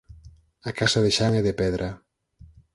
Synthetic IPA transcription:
akasaðeʃaŋɛðepɛðɾʔa

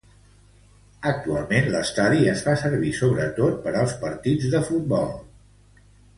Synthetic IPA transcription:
ək̚t̪ua̰lˠmenləst̪aðiəzfasəɾβisoβɾət̪ot̪̚pəɾəlˠspəɾt̪id͡zðəfut̪̚bɔlˠ

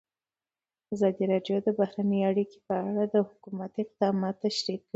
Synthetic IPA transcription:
azɑd̪iɾɑɖjod̪əbahɾanəjaɽike̥pəaɽad̪əhʊkumat̪ɪq̚d̪ɑmɑt̪ːaʃɾikː

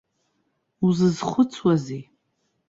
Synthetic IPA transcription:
uzɨzχʷʊt͡sʰwazi

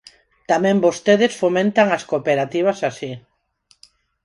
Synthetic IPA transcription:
t̪amẽmbost̪eðesfomẽnt̪aŋaskopeɾat̪iβ̞asasi

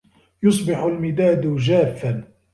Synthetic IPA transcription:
jʊsˤbɪħʊlmɪd̪aːd̪d͡ʒaːfːan

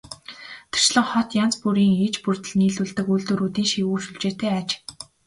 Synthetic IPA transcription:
t̪ʰḁr̥ʃɮə̆ŋχɔt̪jant͡spuɾiːŋeːt͡ɕpurt̪ɘ̆ɮniːɮuːɮt̪ɘ̆kuɮt̪uːɾuːt̪iːŋʃiwuːrʃuɮt͡ɕeːt̪eːaːt͡ɕ

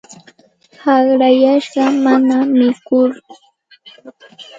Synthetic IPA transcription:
hɑχɾajaʃɢɑmanamɪkʊɾ

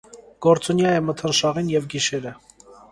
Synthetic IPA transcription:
ɡ̥ɔɾt͡sunjɑjɛmət̪ʰənʃɑʁinjɛvɡiʃɛɾə

